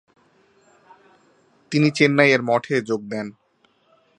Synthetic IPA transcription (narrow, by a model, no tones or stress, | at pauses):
t̪init͡ɕenːajeɾmɔʈʰed͡ʑoɡ̚d̪ɛn